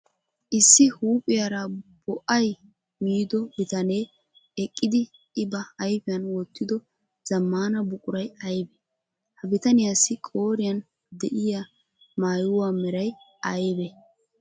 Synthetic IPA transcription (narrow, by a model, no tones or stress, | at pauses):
ʔɪsːɪhuːpʼɪjaɾɐbɔʔɐj | miːd̪ɔbɪt̪ɐneː | ɛkʼːɪd̪ɪ | ʔɪbɐɐjpɪjɐnwɔt̪ːɪd̪ɔ | z̥ɐmːaːnɐbʊkʼʊɾɐjɐjbɛ | hɐbɪt̪ɐnɪjaːsːɪkʼo̞ːɾɪjɐn | d̪ɛʔɪja | maːjʊwaːmɛɾɐj | ɐjbɛ